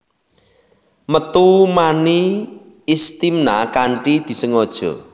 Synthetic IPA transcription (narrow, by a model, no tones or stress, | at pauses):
mət̪umaniː | st̪imnakaɳʈid̪̥i̤səŋɔd̥ʒ̥ɔ̰